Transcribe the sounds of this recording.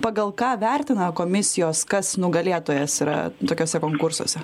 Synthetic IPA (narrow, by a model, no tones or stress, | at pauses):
pɑɡɐlˠkɑːʋʲɛrʲt̪ʲɪnɐkoːmʲɪsʲɪjoːskɐsnʊɡɐlʲeːt̪oːjɛsiɾɐ̰t̪oːkʲoːsʲɛkoːŋkʊrso̰ːsʲɛ